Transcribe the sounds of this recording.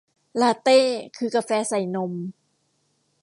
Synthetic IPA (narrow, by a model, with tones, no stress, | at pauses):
laː˧t̪eː˥˩kʰɯː˧ka˧fɛː˧sa˨˩jno˧m